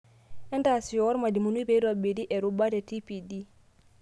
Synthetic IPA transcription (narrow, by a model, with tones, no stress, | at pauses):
ʔɛ˦ntasi˨jɔwɔ˦ɾma˨di˨munu˦bɛi˦ɾɔbe˨di˦ʔɛ˨ɾubadɛtipidi˦